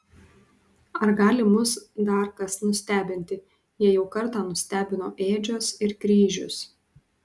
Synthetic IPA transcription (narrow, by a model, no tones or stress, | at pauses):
ɐɾɡɑːlʲɪmʊsd̪ɑɾkɐsnʊsʲt̪ʲæːbʲɪnʲt̪ʲɪ | jiɛjɛʊkɐɾt̪ɑːnʊsʲt̪ʲæːbʲɪnoːʔeːd͡ʒʲoːsɪɾkɾʲiːʒʲʊs